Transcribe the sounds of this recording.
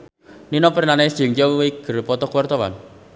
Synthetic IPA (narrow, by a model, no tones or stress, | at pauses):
ninɔpəɾnanɛsd͡ʒəŋd͡ʒɔwiɡ̥ə̤ɾpɔt̪ɔkuwart̪ɔwa̰n